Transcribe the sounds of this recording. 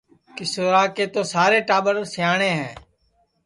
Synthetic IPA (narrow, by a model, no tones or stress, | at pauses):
kɪsoːɾaːkeːt̪oːsaːɾeːʈaːbəɾsjaːɳẽːɦɛ̃ː